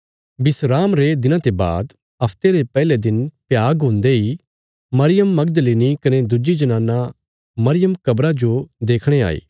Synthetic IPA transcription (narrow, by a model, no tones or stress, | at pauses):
bɪsɾaːmɾed̪ɪnãt̪eba̰ːd̪ | ɐpʰt̪eɾepɛːled̪ɪnpjaːɡɦõːnd̪eɦi | mɐɾɪjəmːɐɡd̪əleːnikɐned̪ʊd͡ʒid͡ʒɐnãːna | mɐɾɪjəmkɐbɾad͡ʒod̪eːkʰɽ̃ea̰ːḛː